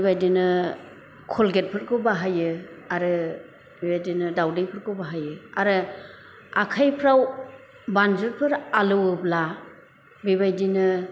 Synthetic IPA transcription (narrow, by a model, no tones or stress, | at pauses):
bajdinɯ | kʰɔlɡet̚pʰɯɾkʰɯbaɦajɯaɾɯ | bibajdinɯdawdejpʰɯɾkʰɯbaɦajɯaɾɯ | akʰajpʰɾaw | banzɯɾpʰɯɾalɯwɯbla | biβajdinɯ